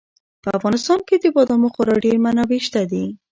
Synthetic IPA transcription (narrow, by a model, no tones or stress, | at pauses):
pəafɣɑnɪst̪ɑnked̪əbɔd̪amoxʊɾɑɖeɾmanaweʃt̪ad̪i